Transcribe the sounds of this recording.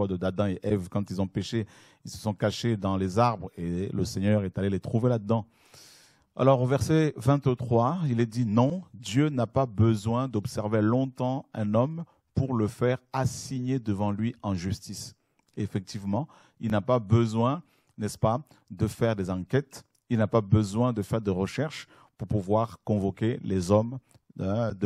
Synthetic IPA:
ɔd̪əd̪ad̪ɑ̃eʔɛvkɑ̃t̪ilzɔ̃peʃe | ilsə̥sɔ̃kaʃed̪ɑ̃lezaʁbʁeləsɛɲœʁɛt̪alelet̪χuvelad̪əd̪ɑ̃ | a̰lɔʁovɛʁsɛvɛ̃t̪t̪χwailɛd̪inɔ̃d̪jønapabəzwɛ̃d̪ɔpsɛʁvelɔ̃t̪ɑ̃ɛ̃nɔm | puʁləfɛʁasiɲed̪əvɑ̃lɥiɑ̃ʒyst̪is | eefɛk̚t̪ivmɑ̃ | ilnapabəzwɛ̃ | nɛspa | d̪əfɛʁd̪ezɑ̃kʲɛt̪ | ilnapabəzwɛ̃d̪əfɛʁd̪eʁəʃɛʁʃ | puʁpuvwaʁkɔ̃vɔkʲelezɔm | d̪ə

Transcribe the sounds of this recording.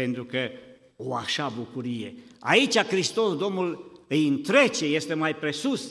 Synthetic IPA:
pe̞nt̪ɾukə | oaʃabukuɾije̞̰a̰it͡ʃʲakɾist̪o̞sd̪o̞mnulɨjɨnt̪ɾe̞t͡ʃe̞je̞st̪e̞majpɾe̞sus

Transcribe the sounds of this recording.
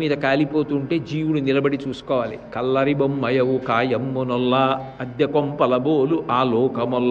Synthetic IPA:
miːd̪ɐkaːlipo̞ːt̪uɳʈe̞ːd͡ʒiːʋuɽunilɐbɐɽit͡ʃuːsu̥kɔːʋaːlikɐlːɐɾibɐmːɐjɐwukaːjɐmːunɔlːaɐd̪jɐkompɐlɐboːluʔaːlɔːkɐmɔlː

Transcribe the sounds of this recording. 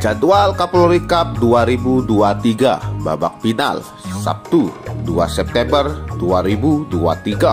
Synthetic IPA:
d͡ʒadualkaploɾikap̚duaɾibuduat̪iɡaba̰ba̰k̚pina̰l | sa̰p̚t̪udua̰sɛp̚t̪ɛmbərduaɾibudua̰t̪iɡa

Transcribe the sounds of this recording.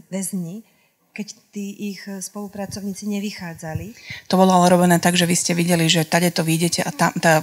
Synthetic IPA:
ʋɛzɲi | kɛct̪iːʔixspɔlupɾat͡sɔʊɲiːt͡siɲɛʋixaːd͡zalit̪ɔbɔlɔalɛɾɔbɛnɛːt̪aɡʒɛʋiscɛʋiɟɛliʒɛt̪aɟɛt̪ɔʋiːɟɛcɛʔat̪amt̪a

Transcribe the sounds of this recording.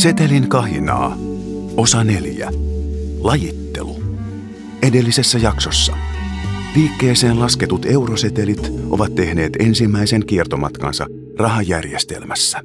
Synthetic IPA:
se̞t̪eliŋkɑɦinɑ̰ː | o̞sɑne̞ljæ̰ | lɑjit̪ːe̞̰lu | e̞de̞lːise̞sːæjɑkso̞sːɑ̰ | ʋiːkːe̞ːse̞ːnlɑsket̪ut̪e̞wroset̪elit̪ʔo̞̰ʋɑt̪ːe̞hne̞ːt̪e̞nsimːæiseŋkiert̪omɑt̪kɑ̰nsɑ̰ | rɑɦɑjjærjest̪ḛlmæsːæ̥

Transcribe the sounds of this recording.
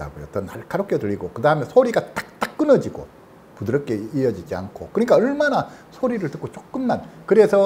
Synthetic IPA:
a̰ɡojot͈ʌnaɭk͈aɾok͈ʌdɯɾiɡokɯdaɯmesʰoɾiɡat͈ḁk̚t͈ak̚k͈ːɯnʌd͡ʑiɡo̰ | pudɯɾʌk͈eiʌd͡ʑid͡ʑia̰nkʰo̰kɯɲik͈aʌɭmanasʰoɾiɾɯɭtɯk͈ot͡ɕ͈ok̚k͈ɯmːankɯɾe̞sʰʌ

